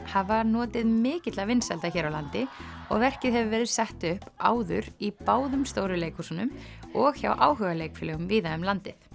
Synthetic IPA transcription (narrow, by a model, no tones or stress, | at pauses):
havvaɾnɔːt̪ɪðmɪːcɪt̪lavɪnsɛ̰lt̪açɛːɾawlant̪ɪ | ɔ̰ɣvɛr̥cɪðhɛvʏvɛːɾɪðsɛht̪ʏhpa̰ːwðʏ̰ɾipaːwðʏmst̪oːwɾʏleːjkʰusanʏmɔɣça̰wʔaːwɦʏɣaleːjkflœɣʏmviːðaʏmlant̪ɪθ